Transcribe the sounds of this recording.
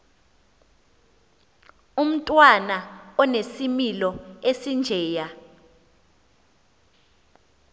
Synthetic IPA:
um̩tʼwanaɔnesimilɔesind͡ʒʱɛːja

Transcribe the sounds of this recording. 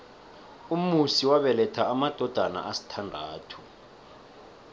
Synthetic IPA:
umusiwaɓɛlɛtʰaːmad̥ʱɔd̥ʱana̰ʔasi̥tʰandʱaːtʰu̥

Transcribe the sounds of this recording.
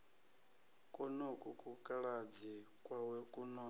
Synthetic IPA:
kʼɔnokʼukʼukʼaɺad͡zi | kʼwawɛkʼunɔ

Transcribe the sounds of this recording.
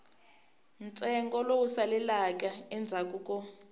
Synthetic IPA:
nt͡sʼɛŋɡɔlowusalɛlakʼaɛnd͡zʱakʼuːkʼɔ

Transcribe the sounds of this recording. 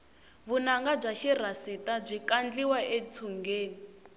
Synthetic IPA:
βunaŋɡab͡ʐaʃir̤asitab͡ʐʷikand͡ɮiwaʔet͡sʰuŋɡeːni

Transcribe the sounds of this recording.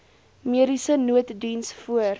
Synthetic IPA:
miəɾisənuətdinsfuər

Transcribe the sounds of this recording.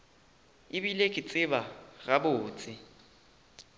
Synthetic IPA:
ɪbilekʼɪt͡sʼɪbaɣabʊːt͡sʼɪ

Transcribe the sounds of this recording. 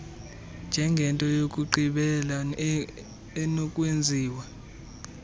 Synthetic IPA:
nd͡ʒʱɛŋɡʱɛntʼɔjokʼuǃiɓɛla | ɛnɔkʼwend͡zʱiːwa

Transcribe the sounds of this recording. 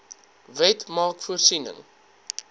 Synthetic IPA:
vɛtmɑːkfuərsinə̰ŋ

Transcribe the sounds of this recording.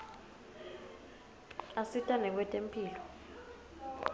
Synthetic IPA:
asitʼanɛk̬wɛtʼempʰʼiːlɔ

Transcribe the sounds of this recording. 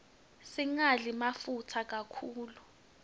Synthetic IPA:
siŋaɮimafutʰak̬ʼakʰuːlu

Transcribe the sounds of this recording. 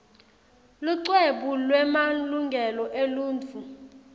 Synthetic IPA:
luǀweɓulwɛmaluŋɡʱɛlɔʔeluːnt͡fʰu

